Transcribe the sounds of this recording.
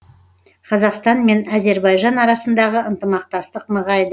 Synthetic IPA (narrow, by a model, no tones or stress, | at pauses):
qʰɑzɑqst̪ɑnme̞næze̞ɾbɑjʒɑnɑɾɑsənd̪ɑʁəənt̪əmɑq̚t̪ɑst̪əqnəʁɑjd̪ə